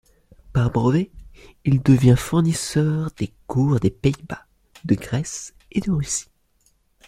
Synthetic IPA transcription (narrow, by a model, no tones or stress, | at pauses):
paʁbʁəveild̪əvjɛ̃fuʁnisœʁd̪ekuʁd̪epeiba | d̪əɡʁɛs | ed̪əʁysi̥